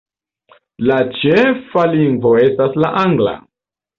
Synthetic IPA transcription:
lat͡ʃefaliŋɡvoe̞staslaʔaŋɡla̰

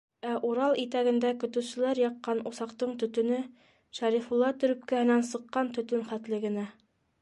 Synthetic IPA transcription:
æʔuɾɑlˠit̪æɡɘ̆nd̪ækɵ̆t̪ɘ̆wsɘ̆læɾjɑqːɑnŭsɑqt̪ɤɴt̪ɵ̆t̪ɵ̆nɘ | ʃæɾifulˠːɑt̪ɵ̆ɾɵ̆p̚kæhɘ̆nænsɤ̆qːɑnt̪ɵ̆t̪ɵnχæt̪lɘɡɘ̆næ

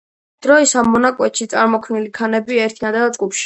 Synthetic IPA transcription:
d̪̥ɾɔisamːɔnakʼwɛt̪ʃit̪sʼaɾmɔkʰvnilikʰanɛbiɛɾt̪ʰinad̪ad̪zɡʼupʃi̥

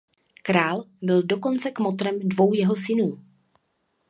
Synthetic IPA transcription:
kɾaːlbɪldo̞ko̞nt͡sɛkmot̪ɾɛmdvo̞wjɛɦo̞sɪnuː

